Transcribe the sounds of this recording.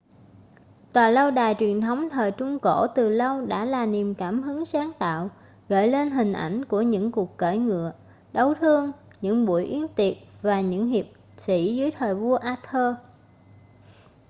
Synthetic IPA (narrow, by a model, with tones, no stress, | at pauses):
t̪waː˨˩lə˧wɗaː˨˩jt͡ɕwi˨˩ənt̪ʰə˨˦wŋ͡mt̪ʰəː˨˩jt͡ɕʊ˧ŋ͡mko̰˧˩˥t̪ɨ˨˩lə˧wɗa̰ː˧˥laː˨˩ni˨˩mkaː˧˩mɦɨ˨˦ŋsaː˨˦ŋt̪a̰ː˧˨w | ɣə̰ː˧˨jle˧nɦï˨˩ŋ̟ʔa˧˩jŋ̟ku˧˩əɲɨ̰˧˥ŋku˨˩əkːə˧˩jŋɨ̰˧˨ə | ɗə˨˦wt̪ʰɨ˧əŋ | ɲɨ̰˧˥ŋɓu˧˩əjʔi˨˦ənt̪i˨˩əp̚vaː˨˩ɲɨ̰˧˥ŋɦi˨˩əp̚ | sḭ˧˥zɨː˨˦əjt̪ʰəː˨˩jvu˧əʔaː˧t̪ʰəː˧